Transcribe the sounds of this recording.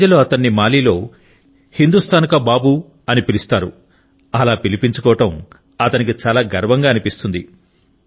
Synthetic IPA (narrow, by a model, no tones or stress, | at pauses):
ɐlo̞ːɐt̪ɐnːimaːliːlo̞ː | hind̪ust̪ʰaːnkɐbaːbu | ɐnipilist̪aːɾu | ɐlaːpilipiɲt͡ʃukɔːʋɐʈɐm | ɐt̪ɐnikit͡ʃaːlaːɡɐɾʋɐŋɡaːɐnipist̪und̪i